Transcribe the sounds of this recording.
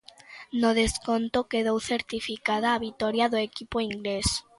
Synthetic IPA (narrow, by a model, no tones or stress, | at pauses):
noðeskont̪okeðowθeɾt̪ifikaðaːβit̪ɔɾjaðoekipoiŋɡles